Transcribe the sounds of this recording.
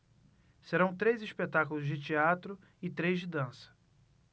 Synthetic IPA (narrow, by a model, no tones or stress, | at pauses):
seɾɐ̃w̃t̪ɾejzispet̪akʊlʊzd͡ʒɪt͡ʃiat̪ɾʊ | ɪt̪ɾejzd͡ʒɪd̪ɐ̃sɐ̥